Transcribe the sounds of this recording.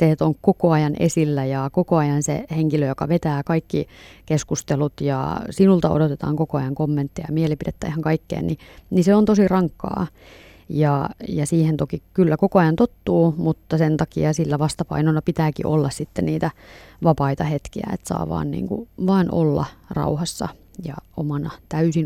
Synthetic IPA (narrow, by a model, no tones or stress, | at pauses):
seet̪oŋkkokoɑjɑnʔḛsilːæjɑkokoɑjɑnsḛheŋkiløjokɑʋet̪æːkɑikːikeskust̪elut̪jɑ̰sinult̪ɑo̰dot̪et̪ɑ̰ːŋkokoɑjɑŋkomːẽnt̪ːijɑjɑmielipidet̪ːæ̰iheŋkɑikːḛːnniniseont̪osirɑŋkːɑ̰ː | jɑjɑsiːhent̪okikylːækokoɑjɑnt̪ot̪ːuːmut̪ːɑsent̪ɑkiɑsilːæʋɑst̪ɑpɑ̰inonːɑpit̪æːkḭʔolːɑssit̪ːenniːt̪æʋɑpɑit̪ɑhet̪kiæ̰ḛt̪sɑ̰ːʋɑ̰ːnnḭːŋkṵʋɑːnʔo̰lːɑ̰rɑ̰uhɑsːɑ̰ | jɑ̰o̰mɑnɑt̪æysin